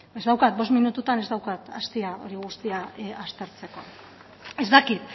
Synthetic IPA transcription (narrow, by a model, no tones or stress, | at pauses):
e̞zd̪awkat̪̚bo̞sminut̪ut̪ane̞zd̪awkat̪ast̪iao̞̰ɾiɣ̞ust̪iaast̪e̞ɾt͡se̞ko̞ | e̞zd̪akit̪